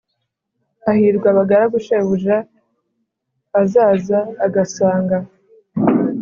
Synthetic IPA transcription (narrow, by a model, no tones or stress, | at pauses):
ahiːɾɡwaβaɡaɾaɡuʃeβuʒa | azaːzaːɡasaːŋɡa